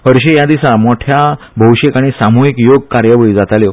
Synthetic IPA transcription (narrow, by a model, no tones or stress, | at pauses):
həɾɕejad̪isamɔʈʰja | bʱəwɕekaɽ̃isamuikjoɡ̚kaɾjəʋəɭiːd͡zat̪aljo